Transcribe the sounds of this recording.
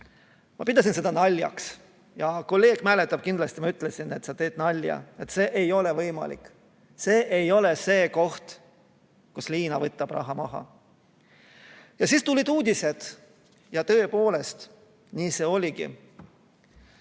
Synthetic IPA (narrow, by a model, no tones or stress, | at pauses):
mɑ̰pid̪̥ɑs̬inse̞d̪̥ɑnɑlʲjɑ̰ks | jɑko̞lːe̞ːɡ̥mæle̞t̪ːˑɑb̥̚kind̪lɑst̪imɑyt̪ːˑle̞sine̞t̪sɑt̪e̞ːd̪̥nɑlʲjɑ̰e̞t̪se̞ːʔejo̞le̞vɤjmɑ̰lḭkˑ | se̞ːʔejo̞le̞se̞ːko̞ht̪ | kusliːnɑvɤt̪ːˑɑb̥rʔɑ̰ɦɑmɑɦɑ̰ | jɑsiːst̪ulʲid̪uːd̪̥ʲise̞d̪̥ | jɑt̪ɤ̞epo̞ːle̞st̪ | niːse̞ːo̞lʲiɡḭ